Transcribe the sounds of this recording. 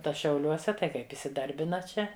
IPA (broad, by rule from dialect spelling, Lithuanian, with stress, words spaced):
ˈtɐ ʃʲɛʊˈlʲuɔsʲɛ tɐɪ ˈkɐɪp ɪsʲɪˈdɐrʲbʲɪnɐ ˈt͡ʃʲɛ